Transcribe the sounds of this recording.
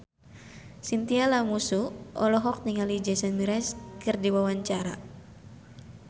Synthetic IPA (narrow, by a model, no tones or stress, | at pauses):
sint̪ialamusuʔɔlɔɦɔk̚niŋalid͡ʒɛsɛnmiɾɛskɨrdiwawaɲt͡ʃaɾa